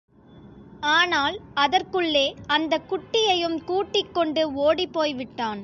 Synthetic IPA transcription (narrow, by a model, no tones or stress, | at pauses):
aːnaːlɐðɐrkɯɭːeːɐnd̪ɐkʊʈːɪjɐjɯmkuːʈːɪkːɔɳɖɯoːɽipːoːjʋɪʈːaːn